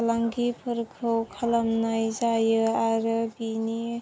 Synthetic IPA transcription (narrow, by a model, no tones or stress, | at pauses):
laŋɡipʰɯɾkʰɯwkʰalamnajzajɯaɾɯbini